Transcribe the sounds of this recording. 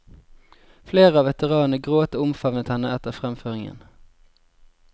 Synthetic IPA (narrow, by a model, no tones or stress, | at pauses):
fleːʁəɑːʋɛt̪əʁɑːnnəɡʁoːt̪əʊmfɑʋnət̪hɛnəɛt̪əʁfʁɛmføːʁɪŋə̰n